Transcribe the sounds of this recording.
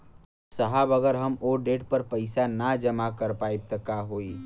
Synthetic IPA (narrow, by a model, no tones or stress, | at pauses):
səɦəbəɡəɾɦəmoɖeːʈpəɾpəɪsanad͡ʒəmakəɾpaːib̚t̪əkaɦoːi